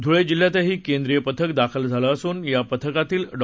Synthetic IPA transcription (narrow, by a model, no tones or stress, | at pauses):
d̪ʱuɭed͡ʑil̤ːjat̪eɦiːkend̪ɾijəpət̪ʰəkd̪akʰəld͡zʱaləːsuːnjapət̪ʰəkat̪iːlɖ